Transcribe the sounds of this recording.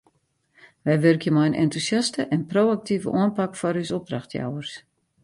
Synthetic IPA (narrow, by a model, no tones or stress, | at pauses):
ʋɛjʋørkjəmɔjənʔɛ̰ntusjastəʔɛnproːak̚tivə̰ʔuənpakfɔrysɔp̚draxtʰja̰wərs